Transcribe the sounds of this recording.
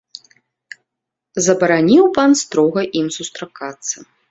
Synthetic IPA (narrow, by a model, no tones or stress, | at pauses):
zɐbɐɾanʲiwpanst̪ɾɔɣɐʔimsust̪ɾakat̪sːɐ